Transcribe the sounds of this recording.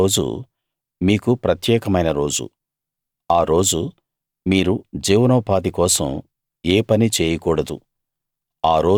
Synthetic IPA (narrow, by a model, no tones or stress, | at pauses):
oːd͡ʒṵ | miːkupɾɐt̪jɛːkɐmɐjnɐɾo̞ːd͡ʒṵ | aːɾo̞ːd͡ʒu | miːɾud͡ʒiːwnɐʋpaːd̪ikɔːsɐ̰m | eːpɐnit͡ʃeːjɐkuːɽɐd̪ṵ | aːɾo̞ː